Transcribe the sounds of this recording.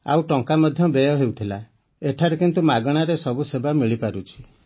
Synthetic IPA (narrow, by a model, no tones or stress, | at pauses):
a̰wʈɔŋkamɔd̪ʱjɔbejɔɦewt̪ʰila | eʈʰaɾekint̪umaɡɔɽ̃aɾesɔbusebamiɭipaɾut͡ʃʰi̥